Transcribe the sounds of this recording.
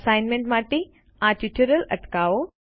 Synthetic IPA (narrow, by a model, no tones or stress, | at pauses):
sajnmẽɳʈmaːʈi | ãʈiʈʰuɾələ̰ʈkaːo